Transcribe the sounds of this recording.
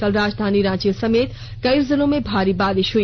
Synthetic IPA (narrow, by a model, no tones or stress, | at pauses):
kəlɾad͡ʒd̪ʱaniɾãt͡ʃijəsəmet̪ | ɡəjɾd͡zəlõmebʱaɾibad̪iʃɦu